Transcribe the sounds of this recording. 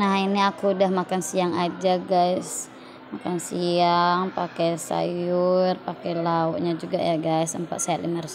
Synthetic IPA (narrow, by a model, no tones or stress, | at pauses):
nahiniakuːdahmakansiaŋad͡ʒaɡajs | makansiaŋpakɛsa̰jurpakɛlauʔɲad͡ʒuɡajaɡajsəmpa̰t̪saat̪̚limars